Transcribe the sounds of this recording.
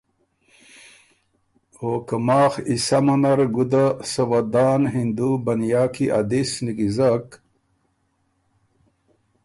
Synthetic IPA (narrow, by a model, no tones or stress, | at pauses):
oːkɐmaːxisɐmɐnɐɾɡud̪asɐwɐd̪aːnɦind̪ubɐnjaːkiʔa̰d̪isniɡizak